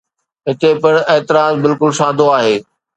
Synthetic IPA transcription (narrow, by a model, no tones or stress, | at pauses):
ɦɪt̪epɪɽ̃eːt̪ɪɾaːzbɪlkʊlʃãːd̪ʱoaːɦeː